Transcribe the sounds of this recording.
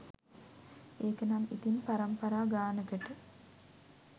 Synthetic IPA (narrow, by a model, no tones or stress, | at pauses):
eːkənamit̪inpaɾɐmpaɾaːɡaːnəkəʈə